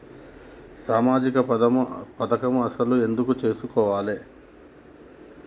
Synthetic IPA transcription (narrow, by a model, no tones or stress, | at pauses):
saːmaːd͡ʒikɐpɐt̪ɐkɐmuɐsɐlue̞nd̪ukut͡ʃe̞ːsukɔːʋaːleː